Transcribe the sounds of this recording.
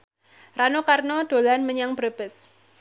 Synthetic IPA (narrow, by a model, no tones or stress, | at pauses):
ranokarnɔɖ̪̥o̤lanməɲaŋbɾəb̥əs